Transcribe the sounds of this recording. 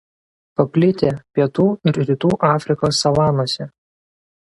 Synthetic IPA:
pɐpʲlʲɪt̪ʲeːpʲiɛt̪uːɪɾɾʲɪt̪uːʔɑːfʲɾʲɪkoːsːɐʋɑːnoɔsʲɛ

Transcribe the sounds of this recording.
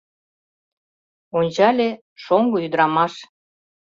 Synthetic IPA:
onʲt͡ɕɑlʲe | ʃoŋɡoyd̪əɾɑmɑʃ

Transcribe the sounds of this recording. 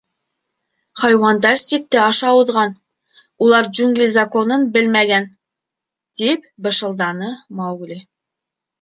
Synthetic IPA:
χɑjwɑnd̪ɑɾsik̚t̪ɘɑʃɑŭðʁɑn | ulˠɑɾd͡ʒʉŋɡlʲizakonɤnbɘlmæɡæn | t̪ipbɤ̆ʃɤ̆lˠd̪ɑnɤmɑwɡlʲi

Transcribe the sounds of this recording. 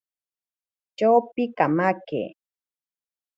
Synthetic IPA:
t͡ʃawpɪkamakḛː

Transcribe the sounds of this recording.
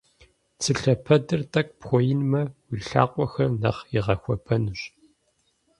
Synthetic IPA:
t͡sʰɨɬɐpʰɐdɨrtʼɐk̚ʷʼpxʷɔjɪnmɐwiɬa̰ːqʷʼɔxɐrnɐ̰χjɪʁɐxʷɔpʰɐnɨɕ

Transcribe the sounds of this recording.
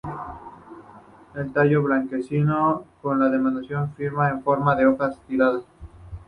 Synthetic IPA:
e̞lt̪aʝoβlaŋke̞sinoko̞nlaðe̞mãnd̪asjo̞ɱfiɾmaeɱfo̞ɾmaðe̞oxast̪iɾaða

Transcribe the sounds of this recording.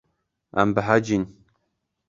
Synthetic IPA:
a̰mbəɦad͡ʒin

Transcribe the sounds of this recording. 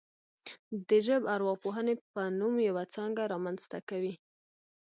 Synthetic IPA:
d̪əʒəbaɾwɑpoɦənepənumjawat͡sɑŋɡaɾɑmanz̥t̪a̰kawi

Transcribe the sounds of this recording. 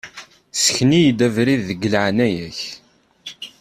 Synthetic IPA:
sə̥çnijd̪ævɾiðːəɡəlʕnæjæç

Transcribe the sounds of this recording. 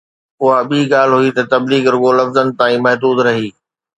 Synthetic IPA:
ʊɦaɓiːɠaːl̤ɦuit̪ɐt̪ɐbliːɡɾʊɠolɐfzənɪ̆t̪ãːĩːmɐɦd̪uːd̪ɾɐɦiː

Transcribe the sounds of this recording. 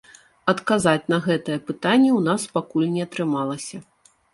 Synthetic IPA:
ɐt̪kazat͡sʲnɐɣɛt̪ɐjɛpɨt̪anʲːɛwn̪aspakulʲnʲɛɐt̪ɾɨmalˠɐsʲɐ

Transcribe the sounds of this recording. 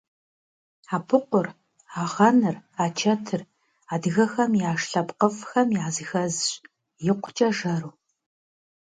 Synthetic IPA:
aːpʰɨqʷʊr | aːʁɐnɨraːt͡ʃʰɐtʰɨr | aːdɨɣɐxɐmjaːʂɬɐpqəfxɐmjaːzɨxɐzɕ | jɪqʷʰʊ̥t͡ʃʼɐʒɐɾuː

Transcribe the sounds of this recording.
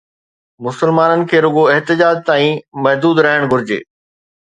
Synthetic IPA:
mʊsəlmaːnənɪ̆kʰeːɾʊɡoɛɦt̪ɪd͡ʑaːd͡ʑt̪aːĩmɐɦd̪uːd̪ɾɐɦəɽ̃ɡʱʊɾɪd͡ʑḛː

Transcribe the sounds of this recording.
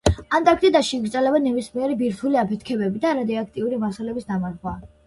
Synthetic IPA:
ant̪ʼak̚ʰt̪ʼid̪aʃiːɡɾt̪ʼɛlɛbanɛbismiɛɾɛbiɾt̪ʰuliapʰɛt̪ʰkʰɛbɛbid̪aːɾad̪ɛakʰt̪ʼiuɾimasalɛbisd̪amaɾχwa

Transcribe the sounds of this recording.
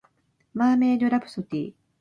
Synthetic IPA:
maːmeːd̪oɾabɯ̥sot̪ḭː

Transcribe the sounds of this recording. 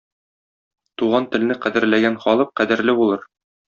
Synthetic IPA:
t̪uʁɑnt̪ɘ̆lnɘqæd̪ɘ̆ɾlæɡænχɒlˠɤq̚qæd̪ɘ̆ɾlɘbulˠɤɾ

